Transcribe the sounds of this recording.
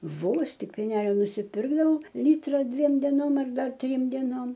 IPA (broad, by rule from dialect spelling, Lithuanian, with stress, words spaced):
ˈʋoːs ˈtʲɪk pʲeːˈnʲæːlʲoː nʊsʲɪˈpʲɪrɡdɐʋɐʊ ˈlʲiːtrɐ ˈdʲʋʲiɛm dʲɛˈnoːm ɐr ˈdɐr ˈtʲrʲiːm dʲɛˈnoːm